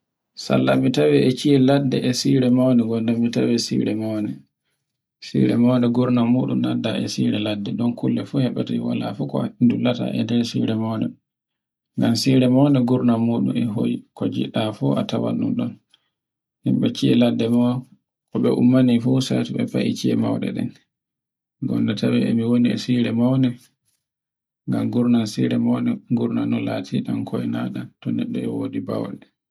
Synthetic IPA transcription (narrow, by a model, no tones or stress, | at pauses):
sa̰lːamitawɛɛt͡ʃiɛladːɛʔɛsiɾɛmawnɛɡɔndamːitawɛsḭɾɛmawnɛ | sḭɾɛmawndɛɡuɾnamuɗumnadːaɛsiɾɛladːɛɗɔnkulːɛfuhɛɓataiwa̰la̰fukɔindulata̰ʔɛ̰dɛɾsḭɾɛmawndɛ | ŋɡansiɾɛmawnɛɡuɾnamuɗumɛɦo̰jikɔd͡ʒḭɗafɔʔatawa̰nːuɗɔn | hɛmɓat͡ʃːiɛladːɛmaw | kɔɓɛʔumːanifusatiɓɛpaʔit͡ʃiɛmawɗɛ̰ɗɛ̰n | ɡɔndɛtʰawɛɛmiwoniɛsiɾɛmawnɛ | ŋɡamɡuɾnansiɾɛmawnɛɡuɾnanɔlaːtʰiɗankʰɔɛnaɗatɔnɛɗːɔɛwodiba̰wɗɛ